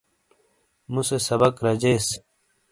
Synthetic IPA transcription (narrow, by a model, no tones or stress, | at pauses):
musesɐbɐkɾɐd͡ʑeːs